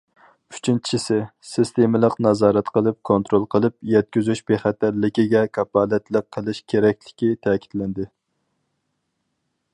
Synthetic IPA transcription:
y̥t͡ʃʰint͡ʃʰt͡ʃʰisɪsɪst̪emɪlˠəqnɑzɑːɾɛt̪qʰəlˠɨp̚kʰont̪ɾolˠqʰəlˠɨpjɛt̪̚kʲyzyʃbeχæt̪ællːɪkʲiɡʲɛkʰɑpɑːlɛt̪lˠɪq̚qʰːəlˠɪʃkʲʰeɾɛk̚ʲlɪ̥kʲit̪ʰɛːkʲʰi̥t̪lɪnd̪ɪ

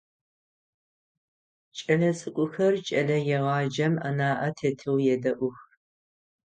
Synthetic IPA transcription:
t͡ʃʼɐlɐt͡sʼɨkʷʼʊxɐrt͡ʃʼɐɮɐjɛʁɑːd͡ʒɐmɐnaːʔɐtʰeːtʰɨwjɛdɐʔʷʊx

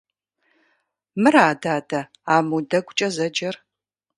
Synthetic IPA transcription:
mɨɾaːdaːdɐ | aːmudɐɡʷʼʊt͡ʃʼɐzɐd͡ʒɐr

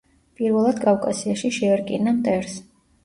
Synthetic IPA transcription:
pʼiɾvɛlˠad̪kʼafkʼasiaʃiʃɛɛɾkʼinamt̪ʼɛɾs

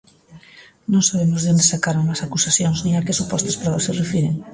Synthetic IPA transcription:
nõnsaβ̞emozðond̪esakaɾoŋlasakusaθjonzniakesupɔst̪aspɾɔβaserefiɾeŋ

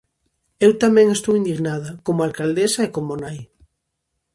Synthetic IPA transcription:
ewt̪amɛ̃ŋest̪owind̪iɣnað̞ɐkomʊalkald̪esaekomonaj

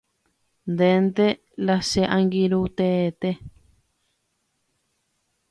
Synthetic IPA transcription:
nd̪end̪e | laseʔãŋɡiɾut̪et̪e

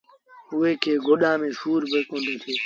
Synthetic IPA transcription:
ʊeːkʰeːɡʱoːɗãːmẽːʃuːɾbʱeːkõːnd̪eːt̪ʰeː

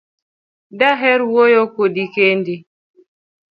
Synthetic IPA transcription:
daɦɛɾwɔjɔkodikendi

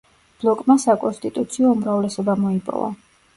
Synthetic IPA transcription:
b̥lˠɔkʼmasakʼɔnst̪ʼit̪ʼut̪sʰiɔumɾavlɛsɔbamɔipʼɔ̰va̰

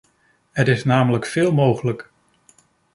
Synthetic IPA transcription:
ɦətɪsnaːmələkfɪːlˠmowχələk

